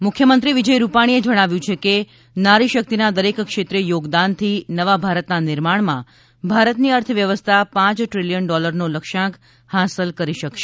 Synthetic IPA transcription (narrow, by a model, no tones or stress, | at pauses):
mʊkʰjəmənt̪ɾiʋid͡ʒəjɾupaɽ̃ied͡ʒəɽ̃aʋjũt͡ʃʰeke | naɾiʃək̚t̪inad̪əɾekkʃet̪ɾejoɡd̪ant̪ʰinəʋabʱaɾət̪nanɪɾmaɳmã̰ | bʱaɾət̪niəɾt̪ʰəʋjəʋəst̪ʰapãt͡ʃʈɾilijənɖɔləɾnoləkʃãk | hasəlkəɾiʃəkʃe